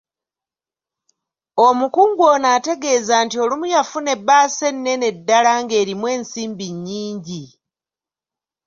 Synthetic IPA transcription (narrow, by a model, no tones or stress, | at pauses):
omukuːŋɡwoːnaːte̞ɡe̞ːzaːntio̞lumujafune̞bːaːse̞nːe̞ne̞dːalaŋɡe̞ːɾimwe̞ːnsiːmbiɲːiːɲɟi